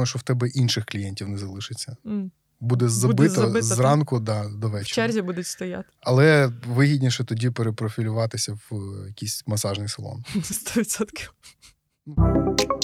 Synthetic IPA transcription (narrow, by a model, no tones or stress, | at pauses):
jʊʃt͡ʃɔwt̪ɛbɛʔinʃɪxklʲijɛnʲtʲiwnɛzɐlˠɪʃɪt͡sʲːɐ | bud̪ɛzɐbɪt̪ɔzrɑnkʊd̪ɑd̪ɔʋɛt͡ʃt͡ʃɛrʲzʲibud̪ʊtʲst̪ɔja̰t̪ | ɐlˠɛʋɪɦʲidʲnʲiʃɛt̪ɔdʲipeɾepɾɔfʲilʲʊʋɑt̪ɪsʲɐʋjɐkʲisʲmɐsɑʒnɪjsɐlˠɔ̰nst̪ɔʋʲt̪ʲsɔt̪kʲʰɪw